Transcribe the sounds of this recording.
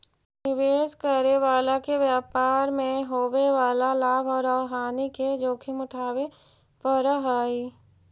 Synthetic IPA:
nɪʋeːskəɾeʋaːlakeʋjaːpaːɾmẽɦoːweʋaːlalaːbʱɔːɾaːɦaːniked͡ʒoːkʰɪmʊʈʰaːwe | pəɾaɦaːi

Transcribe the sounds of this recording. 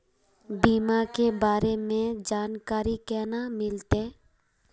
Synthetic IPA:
biːmakebaːɾemẽd͡ʒaːnkaːɾikɛːnamɪlt̪e

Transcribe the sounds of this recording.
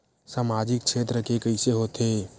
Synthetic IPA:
saːmaːd͡ʒɪkt͡ʃʃʰeːt̪ɾəkekəɪseɦoːt̪eː

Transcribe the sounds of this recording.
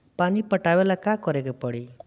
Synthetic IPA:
pɐnipːɐʈːaʋɛlɐkːaːkɔɾɐkɯpːoɽi

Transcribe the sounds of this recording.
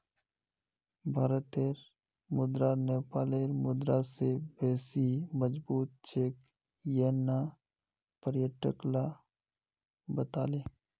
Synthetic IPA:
bʱaːɾət̪eːɾ | mʊd̪ɾaneːpaːleːɾmʊd̪ɾasebeːsiməd͡ʒbuːt̪̚t͡ʃʰeːk | jena | pəɾjəʈəkla | bət̪aːleː

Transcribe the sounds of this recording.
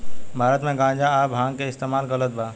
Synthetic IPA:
bʱaːɾət̪mẽɡãːd͡ʒaabʱɦãːŋɡkeɪst̪emaːlkələt̪̚ba

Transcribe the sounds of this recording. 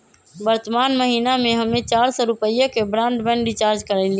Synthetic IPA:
bəɾt̪əmaːnməɦiːnamẽɦəmẽt͡ʃaːɾsɔɾʊpəjekebɾãːɳɖbɛ̃ɳɖɾit͡ʃaːɾd͡ʒkəɾɛɪli

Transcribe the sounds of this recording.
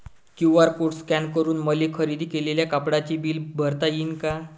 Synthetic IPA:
kjuʋəɾpuʈskænkəɾuːnməlikʰəɾid̪ʱiːkeleljakapɽat͡ɕiːbiːlbʱəɾt̪ajinka

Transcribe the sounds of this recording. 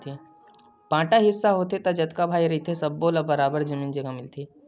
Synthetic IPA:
t̪ʰe | pãːʈaɦɪsːaɦot̪et̪ɐd͡ʒɐt̪kabʱaːiɾɐɦit̪ʰesɐbːoːlabɐɾaːbəɾd͡ʒɐmiːnd͡ʒɐɡamɪlt̪ʰeː

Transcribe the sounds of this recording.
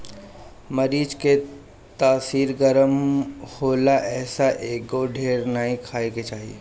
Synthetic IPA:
mɐɾiːd͡ʒke | t̪aːsiːɾɡəɾəmhoːlaʔɛːsaʔeːɡoɖʱeːɾnaɦĩkʰaːeket͡ʃaːɦiḛː

